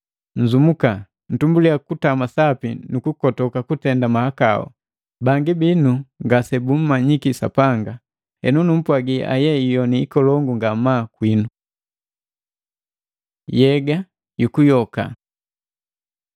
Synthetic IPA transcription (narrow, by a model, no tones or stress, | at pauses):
ɲ̩d͡ʒumuka | n̩tumbulijakutamasapinukukɔtɔkakutɛndamahakaɔ̰ | baŋɡibinuŋɡasɛbum̩maɲikisa̰paŋɡa | hɛ̰nunum̩pwaɡiʔa̰jɛijɔniːkɔlɔŋɡuŋɡamakwinu | jɛɡa | jukujɔka̰